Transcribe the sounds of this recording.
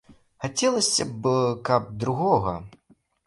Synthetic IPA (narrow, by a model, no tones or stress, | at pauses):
xat͡sʲɛlˠɐsʲɐbɨkɐp̚d̪ɾuɣɔɣɐ